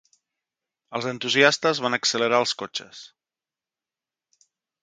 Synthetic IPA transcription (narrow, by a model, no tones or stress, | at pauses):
əlˠzənt̪uziast̪əzβanəksələɾaəlˠskot͡ʃə̰s